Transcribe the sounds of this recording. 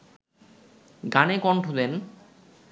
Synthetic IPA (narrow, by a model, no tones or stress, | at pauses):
ɡanekɔɳʈʰod̪en